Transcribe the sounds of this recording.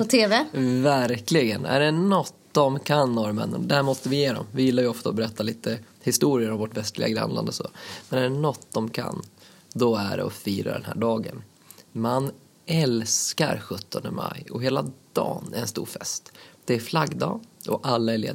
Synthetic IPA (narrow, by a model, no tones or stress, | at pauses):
pɔt̪ʰeːvɛvæɾklɪɡənæ̰ɖɛnɔt̪ːd̪ɔmkʰanːɔɾmɛ̰nːənd̪ɛhæːɾmɔst̪əvɪjeːɾɔ̰mvɪjɪlːaɾjɵɔft̪aɔbɛɾɛt̪ʰːaliːt̪ʰə | hɪst̪uːɾɪəɾɔmvɔʈvɛst̪lɪ̰ɡaɡɾa̰nla̰nd̪əsɔ̰mɛnæɖɛnɔt̪ːd̪ɔmkʰa̰nː | d̪ɔæɖɛ̰ɔ̰fiːɾa̰ɖɛ̰nhæ̰ːɖɑːɡə̰n | man | ɛlskaɾɧɵt̪ʰːɔnd̪əma̰jɔɦeːlad̪̥ɑ̰ːnæɾɛnst̪ṵːɾfɛst̪d̪̥ɛæɾflaɡd̪ɑːʔɔʔalːaɛɾɭḛːd̪